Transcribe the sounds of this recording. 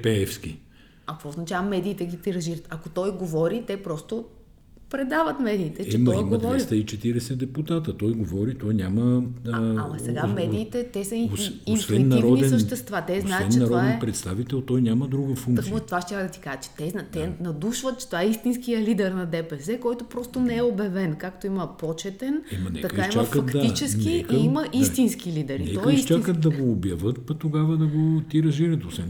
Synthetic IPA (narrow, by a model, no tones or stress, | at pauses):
pɛɛfski | ɐk̪voznɐt͡ʃavɐmɛd̪iːt̪ɛɡipɾiɾɐʒiɾət̪ɐkot̪ɔjɡovɔɾit̪ɛpɾɔst̪o | pɾɛd̪avət̪mɛd̪iːt̪ɛt͡ʃt͡ʃiɛmɔjmɡədvɔɛɾist̪əit͡ʃɛt̪iɾɛsɛd̪ɛput̪at̪ət̪ɔjɡovɔɾit̪ɔjnʲamə | ɐmɐsɛɡamɛd̪iːt̪ɛt̪ɛsɐiosisvɛnːɐɾɔd̪iɛsəʃt̪ɛst̪vat̪ɛznaɛɛnt͡ʃ̪ɛɐɾɔad̪ɛnpɾɛt̪st̪avit̪ɛlˠt̪ɔjnʲjamɐd̪ɾuɡəfuɐkot̪vaʃt͡ʃakd̪ɐt̪i̥kaʒət͡ʃɛ̥t̪ɛznat̪ɛnɐd̪uʃvɐt̪̚t͡ʃɛ̥t̪ovaɛist̪inskijəlid̪ɛɾnɐd̪ɛpɛsɛkɔjt̪opɾɔst̪onɛɛobɐvɛnkakt̪oimɐpɔt͡ʃɛt̪ɛnmɐnɛ̰t̪ɐkkait͡ʃmafkɐɐt̪td̪ait͡ʃɛskiɛkiimɐʔisst̪inskilid̪ɛɾit̪nɛkɔɐist͡ʃakət̪̚d̪ɐɡoːbjɐvət̪pɐt̪oɡavɐd̪ɐɡot̪iɾɐʒiɾət̪osvɛn